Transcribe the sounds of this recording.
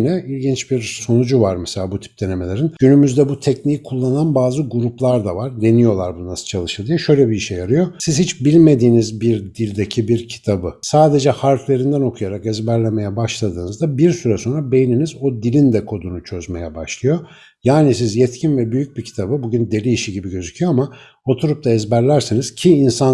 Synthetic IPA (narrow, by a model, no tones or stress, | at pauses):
nɛilʲɟint͡ʃbiɾso̞nud͡ʒuvaɾmɛselʲaːbut̪ʰi̥p̚d̪̥e̞ne̞me̞lʲe̞ɾinɟ̥ynymyzd̪ɛbut̪ʰɛcnijkʰulˠːananbaːzɯɡuɾuplˠaɾd̪avaɾd̪e̞nijo̞lˠaɾbununasɯ̥t͡ʃʰalˠɯʃɯlˠd̪ijoʃø̞jlʲɛbiiʃejaɾɯjo̞siz̥hit͡ʃbilʲme̞d̪iːnizbiɾd̪ilʲd̪ecʰibiɾcʰi̥t̪ʰabɯsaːd̪e̞d͡ʒɛhaɾflʲe̞ɾind̪æno̞kʰujaɾakɛzbæɾlʲeme̞jɛbaʃlˠad̪ɯːnɯzd̪abiɾsyɾɛso̞nɾabe̞jininizo̞d̪ilʲind̪ɛkʰo̞d̪unut͡ʃʰø̞zme̞̰jɛbaʃlˠɯjo̞ | jaːnisizjɛt̪cʰinvɛbyjyc̚bicʰi̥t̪ʰabɯbuɟynd̪e̞lʲiːʃiɟibiɟø̞zycʰyjo̞ama | o̞t̪ʰuɾup̚t̪ʰaɛzbæɾlʲæɾseniz̥cʰiːnsan